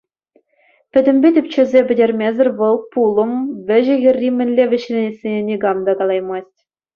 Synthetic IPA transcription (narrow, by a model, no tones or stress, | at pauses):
pʲɘ̆dʲɘ̆mʲbʲetʲɘ̆pʲt͡ɕɘ̆zʲepʲɘ̆dʲerʲmʲezʲɘ̆rʲʋɤ̆lˠpulˠɤ̆mʋʲɘ̆ʑɘ̆ɣʲɘ̆rʲːimʲɘ̆nʲlʲeʋʲɘ̆ɕlʲenʲesʲenʲenʲiɡɑmd̪ɑɡɑlˠɑjmɑsʲtʲ